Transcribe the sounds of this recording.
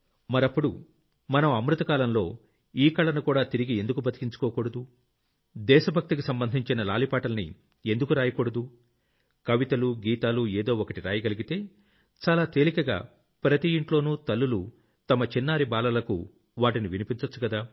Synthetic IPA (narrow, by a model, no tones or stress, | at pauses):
mɐɾɐpːuɽu | mɐnɐmɐmɾut̪ɐkaːlɐmlo̞ː | iːkɐɭɐnukuːɽaːt̪iɾiɡie̞nd̪ukubʱɐt̪i̥kiɲt͡ʃu̥kɔːkɔːɽɐd̪u | d̪ɛːʃɐbʱɐk̚t̪ikisɐmbɐnd̪ʱiɲt͡ʃinɐlaːlipaːʈɐlɐnḭ | end̪ukuɾaːjɐkɔːɽɐd̪u | kɐʋit̪ɐluɡiːt̪aːlueːd̪o̞ːɔkɐʈiɾa̰ːjɐɡɐliɡit̪e̞ː | t͡ʃaːlaːt̪eːlikɐɡa̰ː | pɾɐt̪ijiɳʈlo̞ːnuːt̪ɐlːulu | t̪ɐmɐt͡ʃinːaːɾibaːlɐlɐkṵ | ʋaːʈiniʋinipiɲt͡ʃɐt͡ʃːukɐd̪aː